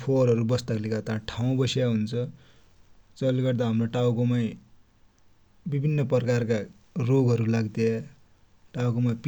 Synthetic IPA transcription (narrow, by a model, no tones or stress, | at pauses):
pʰoɾʌɾubʌst̪aklikat̪ãʈʰaw̃bʌsjaɦunt͡sʰʌ | t͡sʌliɡʌrd̪aɦamroʈawkomaj | bibʱinːʌpʌrkarka | roɡʌɾulaɡt̪ja | ʈawkomap